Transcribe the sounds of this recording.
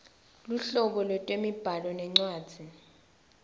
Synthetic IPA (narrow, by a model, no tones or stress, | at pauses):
luɬɔɓɔlwɛtʼwemib̥ʱalɔnɛŋ͡ǀwaːd̥z̥ʱi